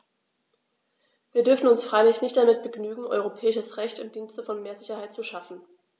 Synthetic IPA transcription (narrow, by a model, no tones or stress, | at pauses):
v̥iːɐdʏɐfn̩ʊnsfʁ̥aɪlɪçnɪçtd̥amɪt̚b̥əɡnyːɡŋ̩ʔɔ̰ʏʁ̞opʰɛːɪʃəsʁɛçtɪmdiːnstəfɔnmeːɐzɪçɐhaɪtt͡suʃafn̩